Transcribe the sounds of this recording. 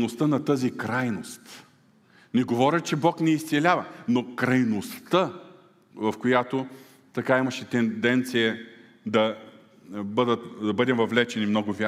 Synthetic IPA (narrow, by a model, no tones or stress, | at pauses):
nost̪ənɐt̪ɤzikɾajnost̪ | nɛɡovɔɾʲət͡ʃɛbɔknɛist̪sɛlʲavɐnokɾɐjnost̪ə | vɐfkojat̪o | t̪ɐkaimɐʃɛt̪ɛnd̪ɛnt̪sijə | d̪ɐ | bɤd̪ət̪d̪ɐbɤd̪ɛmvɐvlɛt͡ʃɛnimnɔɡʊvʲa